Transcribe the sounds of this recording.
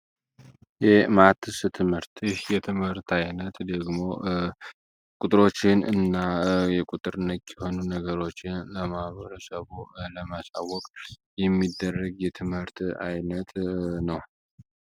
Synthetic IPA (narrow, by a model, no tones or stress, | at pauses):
jɛmat̪ʰɨsɨt̪ʰɨmhɨɾt̪jɪhjɛt̪ʰɨmhɨɾt̪ʰajnət̪d̪əɡmo̞ | kʼuʊt̪ʼɾo̞t͡ʃːɪnɨ̰nːajɛkʼut̪ʼɨɾɨnːək̪ːɛho̞nunəɡəɾo̞t͡ʃːɪnləmahβəɾəsəβuləmasa̰wːɔkʼjɛmːid̪ːərːəɡjɛt̪ʰɨmhɨɾt̪ajnət̪ʰnəw